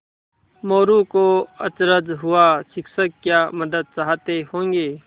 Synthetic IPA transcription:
moːɾuːkoːət͡ʃɾəd͡ʒɦʊaːsɪksəkkjaːməd̪əd̪̚t͡ʃaːɦt̪eːɦõːŋɡeː

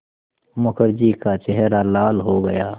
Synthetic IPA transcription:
mʊkəɾd͡ʒikat͡ʃɛɦɾalaːlɦoɡɐjaː

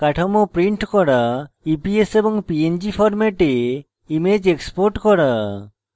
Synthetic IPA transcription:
kaʈʰɔmɔpɾiɳʈkɔɽa | ipiesebɔŋpiend͡ʒipʰɔɾmeʈe | imed͡ʒekspoɾʈkɔɽa

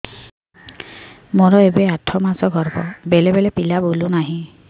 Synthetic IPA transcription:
mɔɾɔebeatʰɔmasɔɡʱɔɾbɔbelebelepilabulunaɦĩ

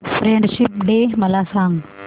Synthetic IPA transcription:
fɾẽɳɖʃɪp̚ɖeːmɐlaːsãːŋɡ

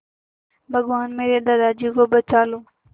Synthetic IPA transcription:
bʱəɠʋaːnmeːɾeːɗ̪əd̪aːd͡ʒiːkoːbət͡ʃaːloː

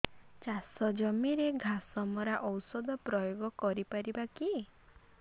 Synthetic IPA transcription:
t͡ʃasɔd͡ʒɔmiɾeɡʱasɔmɔɾaʔɔwsɔd̪ɔpɾɔjoɡɔkɔɾipaɾibaki

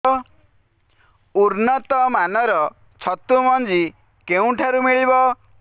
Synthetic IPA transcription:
uɾnɔt̪ɔmanɔɾɔ | t͡ʃʰɔt̪umɔnd͡ʒi | keũʈʰaɾumiɭibɔ

